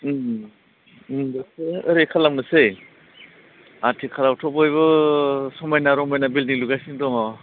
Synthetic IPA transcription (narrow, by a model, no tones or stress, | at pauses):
daseəɾekʰalawnɯsej | atʰikʰalawtʰɔbɔjβɯsɔmajnaɾɔmajnabilniluɡajsindɔŋɔ